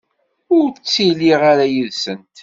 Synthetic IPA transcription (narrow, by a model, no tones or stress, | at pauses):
ʊɾt͡sːiliʁaɾajəðsənt̪